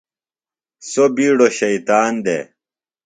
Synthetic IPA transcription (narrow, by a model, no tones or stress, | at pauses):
sobiːɽoɕɐit̪aːnd̪ḛ